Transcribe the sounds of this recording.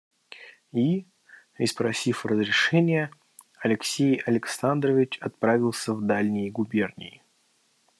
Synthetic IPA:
i | ɪspɾɐsʲifrəzɾʲɪʂɛnʲɪjə | ɐlʲɪksʲejɐlʲɪksand̪rəvʲɪt͡ɕɐt̪̚pɾavʲɪlˠsʲəvd̪alʲnʲɪjəɡʊbʲe̞rnʲɪ̰jɪ

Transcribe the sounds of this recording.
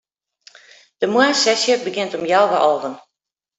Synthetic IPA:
d̥əmwasɛsjəbəɡjɪntɔmjawʋəʔɔvən

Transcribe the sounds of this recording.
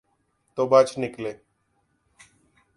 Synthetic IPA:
t̪obaːt͡ʃnɪkleː

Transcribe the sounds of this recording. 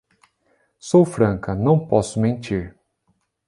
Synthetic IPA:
sowfɾɐ̃kɐnɐ̃w̃pɔsʊmẽnt͡ʃiɾ

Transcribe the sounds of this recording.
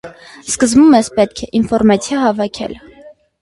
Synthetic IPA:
skəzmumɛspɛt̪̚kʰɛʔinfɔɾmɑt͡sʰjɑɦɑvɑkʰɛ̰l

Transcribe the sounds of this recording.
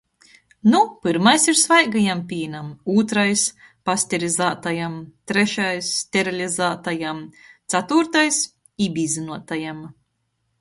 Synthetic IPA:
nupɨɾmajsiɾsvajɡajampʲiːnamuːt̪ɾajs | pasʲt̪ʲiɾizaːt̪ajamt̪ɾɛʃajsːt̪ʲeɾɔlʲizaːt̪ajamt̪sat̪uɾt̪ajs | ibʲizinuɔt̪ajam

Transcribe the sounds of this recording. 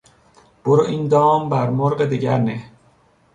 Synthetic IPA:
b̥oɾoʔind̪ɒːmbæɾmoɾɢed̪iɡæɾne

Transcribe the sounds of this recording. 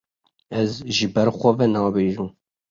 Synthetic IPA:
ɛzʒɨbɛɾxʷɔvɛnɑːbeːʒuː

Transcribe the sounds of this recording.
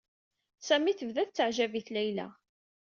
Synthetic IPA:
sæmiθəvðæθt͡sːəʕʒæviθlæjlæ̰

